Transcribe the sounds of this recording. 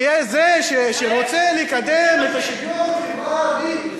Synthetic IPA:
jɛzeʃeʃeʁot͡seliikad̪emet̪aʃiuibadi

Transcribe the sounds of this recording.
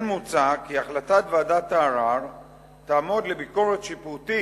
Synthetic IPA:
nmut͡sakiaχlat̪at̪veadat̪aːʁaʁ | t̪aːmo̞d̪lebiko̞ʁet̪ʃiput̪i

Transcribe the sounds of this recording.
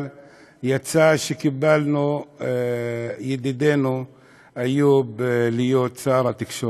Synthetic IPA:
l | jat͡saʃekibalnu | jed̪id̪e̞nu | ajublijot̪t͡saɾat̪ikʃo

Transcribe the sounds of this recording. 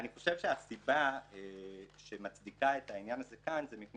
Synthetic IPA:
aniχo̞ʃevʃeasibaeʃemat͡sdikaetainjanazekanzemipn

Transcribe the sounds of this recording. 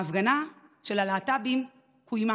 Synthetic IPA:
afɡanaʃelalaːtabim | kʰujma

